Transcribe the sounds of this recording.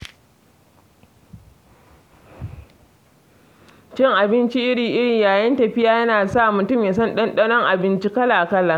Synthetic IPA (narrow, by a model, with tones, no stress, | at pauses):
t͡ʃɪ˦ŋʔa˨bɪ˦nt͡ʃi˦ʔɪ˦ɽiː˨ʔɪ˦ɽi˨jaː˨jɐ˦ntɐ˨ɸɪ˦jaː˦jɐ˦naː˨sa˦˨mʊ˨tʊ˦mja˨s̬ɔ˦nɗɐ˦nɗɐ˦nɔ˦ŋʔa˨bɪ˦nt͡ʃi˦kɐ˦la˨kɐ˦lːɐ˦ŋ